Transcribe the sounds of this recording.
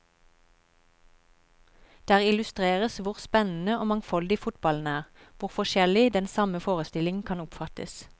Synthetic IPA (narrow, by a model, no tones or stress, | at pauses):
d̪̥æːʁɪlʉst̪ʁeːʁəsʋʊʁspɛnn̩əoːmɑŋfɔld̪ɪfʊt̪bɑln̩æːʁʋʊʁfɔʃɛlɪd̪ɛnsɑməfoːʁəst̪ɪlɪŋkʰɑnʊpfɑt̪ə̰s